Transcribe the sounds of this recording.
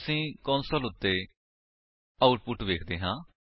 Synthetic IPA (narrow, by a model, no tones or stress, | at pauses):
sĩːkɔːnsəlʊt̪ːeː | aːʊʈpʊʈʋeːkʰd̪eːɦãː